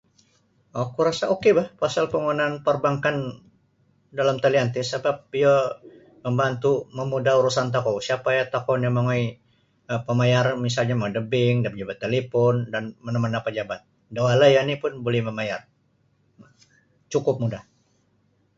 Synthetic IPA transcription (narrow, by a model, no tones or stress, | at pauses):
ɔkuɾasaokebahpasalpəŋunanpərbaŋkan | dalamt̪aliant̪isəbap̚ijə | məmbant̪uməmudahuɾusant̪̬akosiapajat̪akɔnamaŋoj | əpəmajarmisalɲamadəbɪŋdapəd͡ʒabat̪ːelepɔndanmənəmənapəd͡ʒabat̪̚ | dawalajanipʊnbolɛhməmajar | t͡ʃukʊp̚mudah